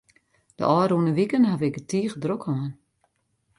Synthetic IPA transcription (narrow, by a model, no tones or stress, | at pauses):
d̥ə̰ʔɔːɾunəʋikənhaʋɪkətiːχədrokʰɔːn